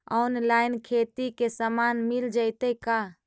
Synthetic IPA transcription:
ɔnlainkʰet̪ikesəmanmild͡ʒəɪt̪əka

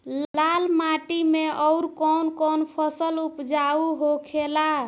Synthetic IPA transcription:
llalmaʈimeʔɔʊɾkɔnkɔnpʰəsəlupd͡ʒauɦokʰela

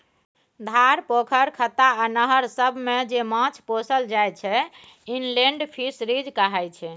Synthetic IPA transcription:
d̪ʱaɾpokʰəɾkʰət̪aanəɦəɾsəbʱmed͡ʒemãt͡ʃʰposəld͡ʒajt͡ʃʰɛ | inleɳɖpʰisɾid͡ʒkəɦɛjt͡ʃʰɛ

